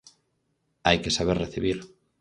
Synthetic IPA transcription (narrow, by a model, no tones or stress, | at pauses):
ajkesaβ̞eɾreθiβ̞iɾ